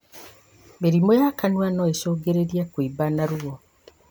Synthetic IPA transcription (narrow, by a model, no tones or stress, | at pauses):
meɾimojakanwanɔesoːɡeɾeɾiakwibanaɾuɣɔ